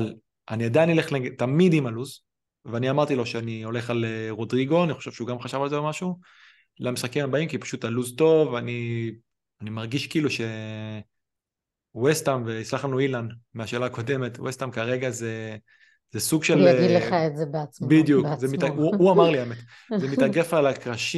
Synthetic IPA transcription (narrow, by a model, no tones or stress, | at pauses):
al | ʔaniad̪anileχleɡtamidimaluz | veaniamaʁt̪ilo̞ʃeanio̞le̞χaleʁo̞dʁiɡo̞aniχo̞ʃe̞v̥ʃeuɡamχaʃavalzebemaʃu | lamisχakimabaimkipḁʃutaluzto̞vani | animaʁɡiʃkiːluʃe̞ | westamveit͡slaχlanuilandmeaʃe̞ːlaːko̞de̞metwʔest̪amkaʁe̞ɡaze | zesuɡʃelaidleχaetzebeat͡sbid̪jukzemitauamaʁliamet | zemitaɡefaːlakʁaʃi